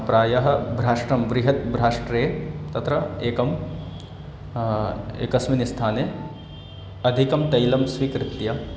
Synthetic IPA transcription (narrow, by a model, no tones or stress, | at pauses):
pɾaːjɐɦɐ̆bʱɾaːʂʈɾɐmʋɾɪɦɐt̪̚bʱɾaːʂʈɾeːt̪ɐt̪ɾɐeːkɐm | ḛːkɐsminist̪ʰaːne | ɐd̪ʱikɐmt̪ɐjlɐmsʋikɾɪt̪jɐ